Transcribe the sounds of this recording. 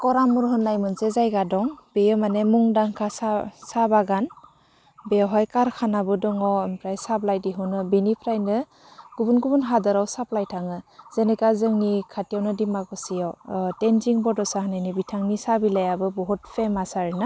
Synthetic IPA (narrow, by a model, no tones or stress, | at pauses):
kɔɾamuɾɦɯnːajmɯnsezajɡadɔŋbejɔmanemuŋdaŋkʰasasabaɡan | beɔɦɔjkaɾkʰanabɯdɔŋɔmpʰɾajsaplajdiɦunɯbinipʰɾajnɯ | ɡ̥ubunɡubunɦadɯɾawsaplajtʰaŋɯz̥enekazɯŋnikʰatijawnɯdimakɔsijawtenziŋbɔdɔsaɦnanibitʰaŋnisabilajabɯbɔɦut̚pʰemasaɾina